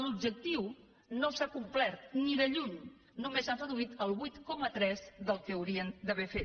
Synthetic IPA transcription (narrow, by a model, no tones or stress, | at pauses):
lub̚d͡ʒək̚t̪iw | nosakumplɛɾt̪niðəʎuɲ | numezarəðuit̪əlˠβujt̪kɔmət̪ɾɛzðəlˠkəːwɾiənd̪əβɛfet̪̚